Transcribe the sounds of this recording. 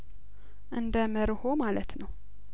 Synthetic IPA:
ʔɨnd̪əmɨɾho̞malət̪nəw

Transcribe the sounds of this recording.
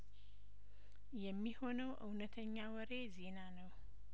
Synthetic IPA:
jɛmːiho̞nəwʔɨwnət̪ʰəɲːawəɾe̞ze̞nanəw

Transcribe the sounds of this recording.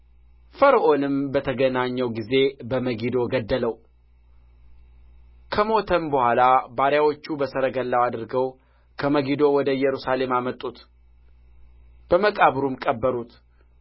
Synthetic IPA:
fəɾəʔo̞nɨmbət̪ʰəɡənaɲːəwɡize̞bəməɡid̪o̞ɡəd̪ːələw | kʰəmo̞t̪ʰənbəhʷalabaɾjawo̞t͡ʃːubəsəɾəɡəlːawad̪ɨɾɡəw | kʰəməɡid̪o̞wɔd̪əjɛɾusale̞mamət̪ʼːut̪ | b̥əməkʼaβɾumkʼəbːəɾut̪

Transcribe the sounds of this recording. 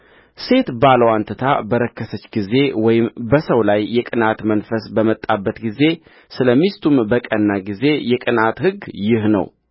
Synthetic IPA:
se̞t̪baləwant̪ʰət̪ʰabəɾəkʰːəsət͡ʃːɡize̞wɔjɪmbəsəwlajːɛkʼɨnat̪mənfəsbəmət̪ʼːabːət̪ɡize̞ | sɨləmist̪ʰumbəkʼənːaɡize̞jɛkʼɨnat̪hɨɡjɪhnə̰w

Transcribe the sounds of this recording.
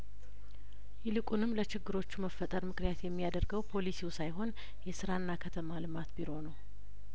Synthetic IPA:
jɪlɨkʼunɨmːlət͡ʃɪɡːɨɾo̞t͡ʃːuməfːət̪ʼəɾmɨknjat̪jɛmːijad̪əɾɡəwpʰo̞lisiwsajɦo̞n | jɛsɨɾanːakʰət̪ʰəmalɨmat̪biɾo̞nəw

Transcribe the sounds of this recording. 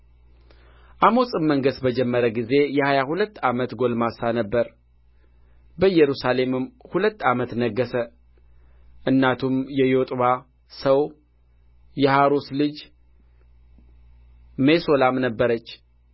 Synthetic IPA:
ʔamo̞sʼɨmːəŋɡəsbəd͡ʒɛmːəɾəɡize̞jɛhajahulət̪ːamət̪ɡo̞lmasanəbːəɾ | bəɨjːɛɾusale̞mɨmhulət̪ːamət̪nəɡːəsə | ʔɨnːat̪ʰumjɛjo̞t̪ʼβa | səw | jɛhaɾoslɨd͡ʒ | me̞so̞lamnəbːəɾət͡ʃː

